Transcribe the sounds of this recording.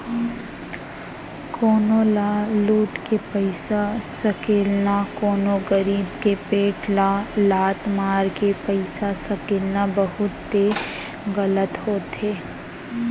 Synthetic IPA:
kʰɔːnolaːluːʈkepəɪsasəkeːlnakoːnoɡəɾiːbkepeːʈlaːlaːt̪maːɾkepəɪsasɐkeːlnabɐɦʊt̪ːe | ɣələt̪hoːt̪eː

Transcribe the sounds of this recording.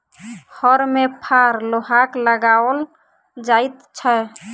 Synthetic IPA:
həɾmepʰaɾloɦakləɡawəl | d͡ʒajt̪t͡ʃʰəj

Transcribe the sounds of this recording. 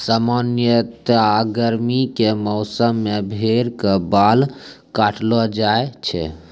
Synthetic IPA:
samanjət̪aɡəɾmikemɔʊsəmːebʱeɾkebal | kaʈʰlɔd͡ʒaet͡ʃʰɛ̰

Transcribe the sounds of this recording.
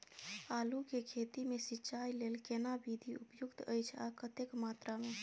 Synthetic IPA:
alukekʰet̪imesitːt͡ʃʰajlelkenabid̪ʱiupjʊkt̪əjt͡ʃʰa̰kət̪ekmat̪ɾame

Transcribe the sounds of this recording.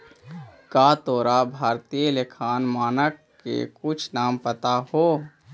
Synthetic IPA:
kaːt̪oːɾabʱaːɾt̪ijəlekʰaːnmaːnək | kːḛkʊt͡ʃʰnaːmpət̪ahoː

